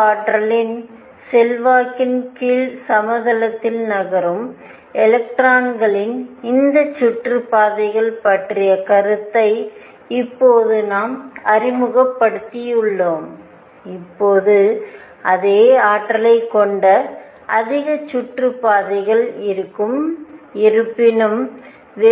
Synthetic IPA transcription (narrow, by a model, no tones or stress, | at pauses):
aːʈɾɐlɪn | sɛlʋaːkɪnkiːlsɐmɐðɐlɐt̪ːɪlnɐɣɐɾɯm | ɛlɐk̚ʈɾaːɳɡɐɭɪnɪnd̪ɐt͡ʃːʊʈrɯpaːðɐɪɣɐɭpɐʈrɪjɐkɐɾɯt̪ːɐɪ | ɪpːoːðɯnaːmɐrɪmɯɣɐpːɐɽɯt̪ːɪjɯɭːoːm | ɪpːoːðɯ | ʔɐðeːaːʈːɐlɐɪkːɔɳɖɐ | ʔɐðɪɣɐt͡ʃːʊʈrɯpːaːðɐɪɣɐɭɪɾɯkːɯmɪɾɯpːɪnɯm | ʋe